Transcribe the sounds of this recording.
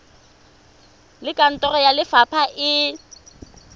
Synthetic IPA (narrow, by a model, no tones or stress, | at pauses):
lɪkʼan̩tʼɔrɔjalɪfapʰaʔɪ